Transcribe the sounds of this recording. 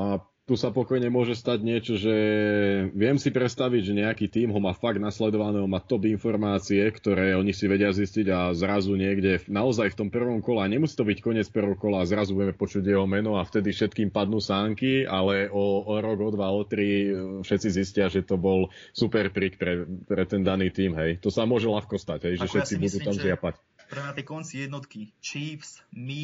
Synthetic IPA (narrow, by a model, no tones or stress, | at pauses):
a | t̪usapɔkɔjɲɛmʊɔʒɛst̪aɟɲɪɛt͡ʃɔʒɛ | ʋɪɛmsipɾɛt̪st̪aʋiɟʒɛɲɛakit̪iːmɦɔmafaɡ̚d̪naslɛd̪ɔʋanɛːɦɔmat̪ɔbinfɔɾmaːt͡siɛkt̪ɔɾɛːɔɲisiʋɛɟɪazisciɟazɾazuɲɪɛɡɟɛnaɔzajft̪ɔmpr̩ʋɔmkɔlɛaɲɛmusi̥t̪ɔbickɔɲɪɛt͡sprʋɔkɔlaazɾazubuɟɛmɛpɔt͡ʃuɟjɛɦɔmɛnɔaft̪ɛd̪ifʃɛt̪kiːmpad̪nuːsaːŋkialɛɔːɾɔɡɔd̪ʋaɔt̪ɾifʃɛt̪t͡siziscɪaʒɛt̪ɔbɔl | supɛɾpɾikpɾɛpɾɛt̪ɛnd̪aniːt̪iːmɦɛjt̪ɔsamʊɔʒɛlaxkɔst̪aɟɦɛjʒʃɛfʃɛt͡sibud̪uːt̪amzɪapac | ɾɛat̪ɛkɔnt͡sijɛd̪nɔt̪kit͡ʃiːfsmi